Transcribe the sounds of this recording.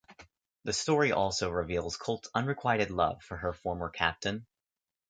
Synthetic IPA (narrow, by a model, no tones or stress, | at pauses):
ðɨstɔɹiʔɔlˠsoʊɹɨvilˠz̥kʰolˠtʰʌ̃nɹɨkʰw̥aɪɾɨdˡlʌ̰v̥fə˞ə˞fɔɹmə˞kʰæ̰p̚tʰɨ̃n